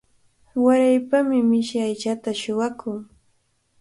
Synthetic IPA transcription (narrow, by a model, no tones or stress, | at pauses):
waɾajpamɪmɪʃajt͡ʃat̪aʃʊwakʊŋ